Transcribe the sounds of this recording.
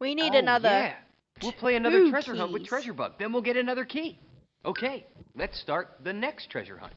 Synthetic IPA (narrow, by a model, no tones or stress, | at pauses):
winiɾɨnʌðə˞ | wilˠpʰl̥eɪɨnʌðə˞tʰɹ̥ɛʒə˞ɦʌ̃nwɨðtʰɹ̥ɛʒə˞bʌ̰ɡ̚ðɨ̃nwilˠɡɛɾɨnʌðə˞kʰi | ʔoʊkʰeɪlɨtstɑɹt̪̚ðɨnɛkstʰɹ̥ɛ̰ʒə̰˞hʌ̰̃n